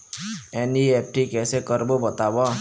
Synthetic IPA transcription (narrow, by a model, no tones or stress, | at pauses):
eniep̚ʰʈikesekʌɾbobʌt̪abɔ